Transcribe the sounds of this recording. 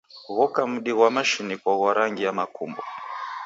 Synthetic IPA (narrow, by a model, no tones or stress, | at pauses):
ɣɔkam̩ɗiɣwamaʃinikɔɣwaɾaŋɡiamakʰṵmbɔ̰